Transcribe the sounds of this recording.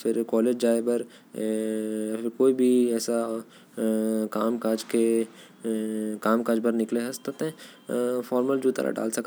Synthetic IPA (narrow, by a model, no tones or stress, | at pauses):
fɪɾkɔːleːd͡ʒd͡ʒaːebɐɾ | fʰɪɾkoːibʱiɛːsa | kaːmkaːd͡ʒke | kaːmkaːd͡ʒbɐɾnɪkleɦɐst̪ət̪ɦẽ | fɔːɾməld͡ʒut̪ɐ̰ɾa̰ɖa̰ːlsɐk